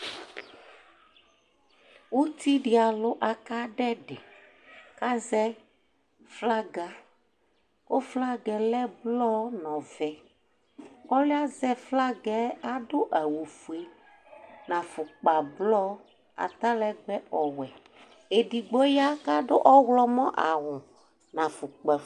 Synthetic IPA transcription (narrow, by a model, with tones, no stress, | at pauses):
wu˦t̪i˦ɖi˨a˨lʊ˦ʔa˨ka˦ɖɛ˦ɖe˨ | ka˦zɛ˦ | fla˦ɡa˦ | o˦fla˦ɡɛ˨lɛ˦blɔ˦nɔ̃˨vɛ˨ | ɔ˦le˦a˦zɛ˦fla˦ɡɛ˨a˦ɖo˦ʔa˨wu˨fu˨e˨ | nã˨fʊ˨k͡pa˨blɔ˦ | a̰˨t̪a˦lɛ˦ɡ͡bɛ˦ɔ˨wɛ˨ | e˨ɖi˨ɡ͡bɔ˦ja˦ka˦ɖo˦ʔɔ˦wlɔ˦mɔ̃˦ʔa˨wʊ̃˨ | nã˨fu˨k͡pa˨